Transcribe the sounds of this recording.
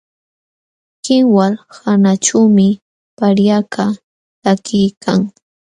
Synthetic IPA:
kɪŋwalhanat͡ʃuwmɪ | paɾjakʰa | t̪akɪjkʰaŋ

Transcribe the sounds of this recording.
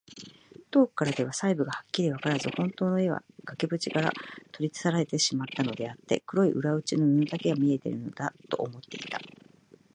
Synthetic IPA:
t̪o̞ːkɯ̥kːaɾad̪e̞β̞asaibɯ̟ɡahakʲːiɾʲiβakaɾazɨhõ̞nt̪o̞ːno̞eβa̰ɡ̥akebɯ̟t͡ɕikaɾa̰t̪ʰo̞ɾʲit̪ɨ̥saɾaɾe̞t̪e̞ɕimat̪ːano̞d̪e̞at̪ːe̞̰kɯ̟ɾo̞iʔɯ̟ɾaɯ̟t͡ɕinoɯnd̪ake̞ɡamʲie̞t̪e̞̰ɾɯ̟no̞d̪at̪o̞ʔːmo̞t̪ːe̞ḭt̪a̰

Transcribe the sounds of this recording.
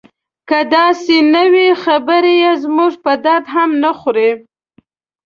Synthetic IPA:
kəd̪ɑsenəwexabəɾejezmuʐpəd̪aɾd̪ɦamnəxɾe

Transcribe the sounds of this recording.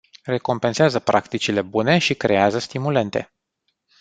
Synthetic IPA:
re̞ko̞mpe̞nseazəpɾʔa̰kt̪it͡ʃile̞bune̞ʃikɾe̞azəst̪imule̞nt̪e̞̰

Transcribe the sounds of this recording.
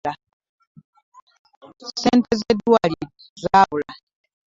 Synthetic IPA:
a | sɛnt̪ɛzɛd̪uaɾi | zawla

